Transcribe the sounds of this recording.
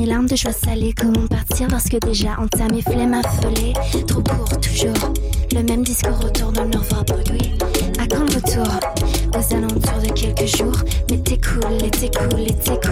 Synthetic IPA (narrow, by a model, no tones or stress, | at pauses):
elaʁmd̪əʒwasalekɔmɑ̃paʁt̪ʰiʁpaʁsə̥kəd̪eʒaʔɑ̃t̪ameflɛmãfɔlɛ | t̪χokʰuʁt̪u̥ʒuːʁ | ləmɛmd̪iskuʁot̪uʁnɔnɔʁvɔ̃b | i | akɑ̃ʁət̪ʰuʁ | ozalɑ̃t̪yʁd̪əkʲɛlkəʒuːʁmɛt̪ɛkʰulet̪ɛkʰulet̪ɛk